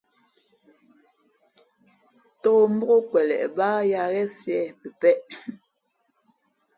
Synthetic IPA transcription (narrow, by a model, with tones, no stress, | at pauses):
tɔː˦˨m̩˦bo˦ɣo˦kwɛ˨lɛ̰˨ʔbaː˦ja˨ɣɛ˦sjɛ˦˨pə˨pɛ˦ʔ